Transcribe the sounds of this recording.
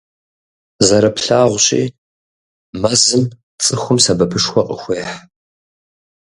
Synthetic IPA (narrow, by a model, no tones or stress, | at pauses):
zɐɾɐpɬaːʁʷɕʼḭː | mɐzɨn | t͡sʼɨxʷʊmsɐbɐpʰɨʂxʷɔqʼəxʷeːħ